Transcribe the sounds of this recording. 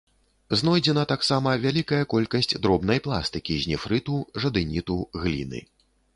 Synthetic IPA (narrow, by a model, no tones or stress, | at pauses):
znɔjd͡zʲɛnɐt̪aksamɐvʲalʲikɐjɐkɔlʲkɐsʲt͡sʲd̪ɾɔbnɐjplˠa̰st̪ɨkʲiʑʲnʲifɾɨt̪uʐɐd̪ɨnʲit̪uɣlʲḭnɨ̰